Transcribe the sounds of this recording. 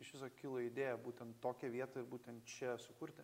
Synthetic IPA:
ɪʃʋʲɪsokʲɪlˠɐɪd̪ʲeːjɛbuːt̪ʲɛnt̪toːkʲɛʋʲiɛt̪ɐɪɾbuːt̪ʲɛnt̪t͡ʃʲɛsʊkʊɾʲt̪ʲɪ

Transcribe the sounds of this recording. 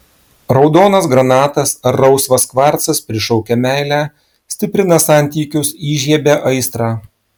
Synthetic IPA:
ɾɒʊd̪oːnɐsɡɾɐnɑːt̪ɐsɾɐʊsʋɐskʋɑɾt̪sɐspʲɾʲɪʃɔʊkʲɛmʲæˑɪlʲæ | sʲt̪ʲɪpʲɾʲɪnɐsɑˑnʲt̪ʲiːkʲʊsiːʒʲiɛbʲeʔɐɪst̪ɾɑː

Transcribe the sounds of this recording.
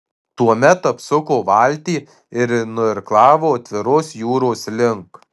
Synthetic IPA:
t̪uɔmʲɛt̪ɐpsʊkoːʋɑˑlʲt̪ʲiː | ɪɾnʊɪɾklˠɑːʋoːɐt̪ʲʋʲɪɾoːsjuːɾoːslʲɪŋk

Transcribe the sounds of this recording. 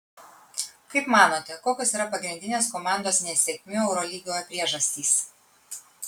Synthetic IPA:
kɐɪpmɑːnoːt̪ʲɛkoːkʲosiːɾɐpɐɡɾʲɪnʲd̪ʲɪnʲeːskomɑˑnd̪oːsnʲɛsʲɛkʲmʲʊɛʊɾɔlʲiːɡʲoːjpʲɾʲiɛʒɐsʲt̪ʲiːs

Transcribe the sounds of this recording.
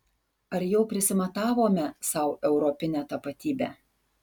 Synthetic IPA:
ɐɾjɛʊpʲɾʲɪsʲɪmɐt̪ɑːʋoːmʲɛsɐʊʔɛʊɾɔpʲɪnʲɛːt̪ɐpɐt̪ʲiːbʲæ̰ː

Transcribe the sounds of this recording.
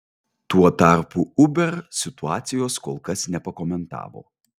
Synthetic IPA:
t̪uɔt̪ɑˑɾpuʊbʲɛɾsʲɪt̪ʊɑːt̪sʲɪjoːskoːlˠkɐsnʲɛpɐkɔmʲɛnt̪ɑ̰ːʋo̰ː

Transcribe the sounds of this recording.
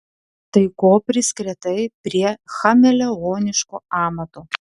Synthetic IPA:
t̪ɐɪkoːpʲɾʲɪsʲkɾʲɛt̪ɐɪpʲɾʲiɛxɐmʲɛlʲɛɣoːnʲɪʃkuːɑːmɐt̪oː

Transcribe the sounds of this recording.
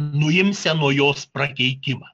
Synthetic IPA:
nʊɪmʲsʲɛnuɔjoːspɾɐkʲɛɪk̪ʲɪmɑː

